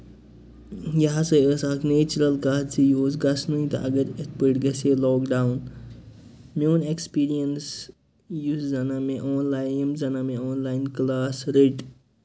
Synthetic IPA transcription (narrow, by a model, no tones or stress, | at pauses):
jɐɦasɐəːsaːkneːt͡ʃuɾɐlkaːt͡sijoːzɡɐsnũĩt̪ɐ̰ʔɐɡəɾɪt̪pəʈɡɐselɔːkɖaːwn | mʲoːnekspiːɾijəns | juszɐnamẽʔɔːnlajmzɐnamẽoːnlaːɪnklaːsɾeʈ